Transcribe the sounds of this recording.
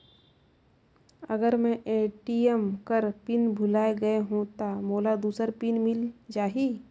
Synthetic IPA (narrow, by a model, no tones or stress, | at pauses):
əɡəɾmɛ̃ʔeːʈiemkəɾpinbʱʊlaːeɡɐeɦũt̪amoːlad̪uːsəɾpinmɪld͡ʒaːɦi